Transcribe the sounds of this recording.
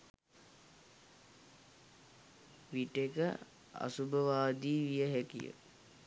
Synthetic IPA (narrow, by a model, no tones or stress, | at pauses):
ʋiʈekə̰ | a̰subəʋaːd̪iːʋijəɦækḭjə̰